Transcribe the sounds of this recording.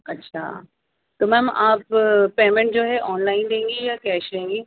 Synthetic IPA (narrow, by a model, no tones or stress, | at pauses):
ɐtːʃʰa̰ː | t̪oːmɛ̃mʔaːpːeːmẽɳʈ̚d͡ʑoːɦɛʔɔːnlaːɪnd̪ẽːŋɡijakɛːʃẽːŋɡiː